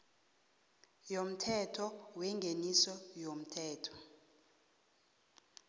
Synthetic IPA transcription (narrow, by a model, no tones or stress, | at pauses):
jom̩tʰɛtʰɔwɛŋɡʱenisɔjom̩tʰɛːtʰɔ̥